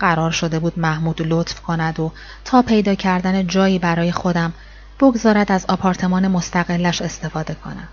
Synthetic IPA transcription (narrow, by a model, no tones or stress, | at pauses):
ɢæɾɒːɾʃo̞d̪e̞buːd̪mæhmuːd̪̥lot̪fkʰo̞næd̪o | t̪ʰɒːpʰe̞jd̪ɒːcʰæɾd̪æned͡ʒɒːjiːbæɾɒːjexo̞d̪æm | b̥o̞ɡzɒːɾæd̪æzɒpʰɒːɾt̪ʰe̞mɒːne̞mo̞st̪ʰæɣe̞lːæʃe̞st̪e̞fɒːd̪e̞kʰo̞̰næ̰m̥